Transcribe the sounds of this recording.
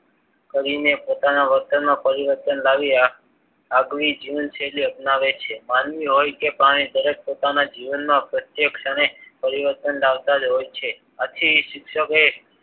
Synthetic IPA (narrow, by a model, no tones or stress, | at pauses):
kəɾinepot̪anaʋəɾt̪ənmãpəɾiʋəɾt̪ənlaʋi | aɡʋid͡ʒiʋənseliəpnaʋet͡ʃʰemanʋiɦojkepaɽ̃ĩd̪əɾek̚pot̪anad͡ʒiʋənmãpɾət̪jekʃanepəɾiʋəɾt̪ənlaʋt̪ad͡ʒɦojt͡ʃʰe | at̪ʰiʃɪkʃəke